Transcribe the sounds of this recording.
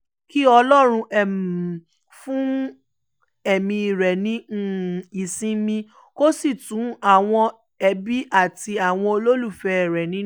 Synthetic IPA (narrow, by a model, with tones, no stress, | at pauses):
ki˦ɔ˧lɔ˦ɾ̃ũ˧ʔɛ˨m˨ | fũ˦ | ɛ˦˨mĩ˧i˨ɾɛ˨nĩ˦˨i˨sĩ˦mĩ˧ | ko˦si˦˨tũ˨˦a˦˨w̃ɔ̃˧ | ɛ˧bi˦ʔa˦˨ti˧a˦˨w̃ɔ̃˧o˧lo˦lu˦˨fɛ˧ɛ˨ɾɛ˨nĩ˨˦